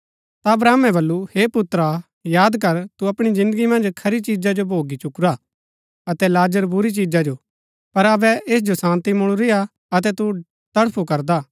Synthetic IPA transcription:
t̪aɐbɾaːmɛ̃bɐlːuheːpʊt̪ɾa | jaːd̪kɐɾt̪uɐpɽ̃izɪ̃nd̪əɡimɐ̃nd͡ʒkʰɐɾit͡ʃiːd͡ʒad͡ʒobʱoːɡit͡ʃʊkɾaː | ɐt̪ɛlaːd͡ʒəɾbʊɾit͡ʃiːd͡ʒad͡ʒo | pɐɾɐbɛeːs̬d͡ʒosãːnt̪imʊɽ̃uɾɪa | ɐt̪̬ɛt̪u | t̪ɐɽpʰukɐɾd̪aː

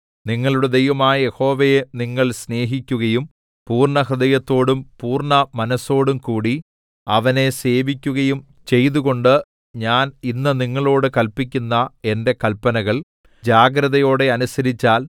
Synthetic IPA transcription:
niŋːɐɭuɽed̪ejʋɐmaːjɐje̞ho̞ːʋejeniŋːɐɭsne̞ːɦikʲːuɣɐjum | puːrɳɐɦrɨðɐjɐt̪ːo̞ːɽumpuːrɳɐmɐnɐsːo̞ːɽumkuːɽi | ɐʋɐne̞se̞ːʋikʲːuɣɐjum | t͡ɕe̞jðuɣo̞ɳɖɨ | ɲaːninːɨniŋːɐɭo̞ːɽɨkɐlpikʲːunːɐe̞nde̞kɐlpɐnɐɣɐɭ | d͡ʑaːɡɾɐðɐjo̞ːɽe̞ɐnusɐɾit͡ɕːaːl

